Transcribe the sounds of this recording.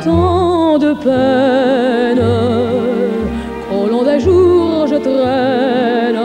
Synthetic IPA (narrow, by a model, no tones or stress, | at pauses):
t̪ɑ̃d̪əpœ | nə | kʰɔ̃lɔ̃d̪aʒuʁʒət̪ʁɛ | n